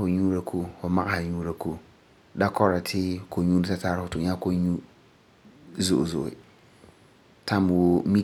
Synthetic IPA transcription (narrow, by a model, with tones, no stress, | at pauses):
fʊ˨ɲu˦ɾa˨kʰo˦˨fʊ˨ma˦ʔa˦ha˨ɲuː˦ɾa˨ko˦˨ | da˦kɔ˦ɾa˨tʰɪ˦kʰo˨ɲu˦n˦ta˦ta˦ɾfʊ˨tʊ˨ɲa˦ko˦ɲu˦ | zo˨ʔzo̰˨ɪ̰˨ | tʰa˦m˨wo˦mi˦